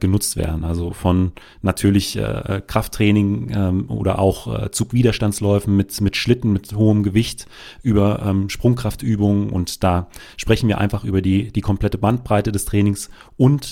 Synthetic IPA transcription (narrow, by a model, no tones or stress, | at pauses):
ɡ̥ənʊt͡stv̥ḛːɐdn̩ʔalzofɔnː | atʰyːɐlɪçʔɛ̰ːʔːkʁ̥aftʁ̥ɛːnɪŋʔɛːmʔo̰ːdɐ̰ʔa̰ʊxʔɛ̰ːt͡suːkv̥iːdɐʃtant͡slɔʏfn̩mɪtmɪtʃlɪtn̩mɪthoːəmɡəvɪçt | ʔyːbɐʔɛːmʃpʁ̥ʊŋkʁ̥aftʔyːbʊŋənʔʊ̰ntd̥aːʃpʁ̥ɛçn̩viːɐʔa̰ɪnfaχʔy̰ːbɐdiːd̥iːkʰɔmpl̥ɛtəbant̚b̥ʁaɪtədɛstʁ̥ɛːnɪŋs | ʔʊnt